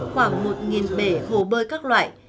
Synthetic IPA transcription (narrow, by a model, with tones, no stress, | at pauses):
xwaː˧˩ŋmo˨˩t̚ŋi˨˩nɓe˨˩˦ho˨˩ɓəː˧jkaː˦˥k̚lwa̰ː˧˨j